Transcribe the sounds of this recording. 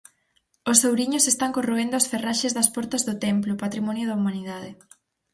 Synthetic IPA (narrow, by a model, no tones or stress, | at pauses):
osːowɾiɲʊsest̪aŋkoroend̪ʊɔsferaʃezðɐspɔɾt̪ɐzðʊt̪emplʊpat̪ɾimɔnjʊðɐumãniðaðe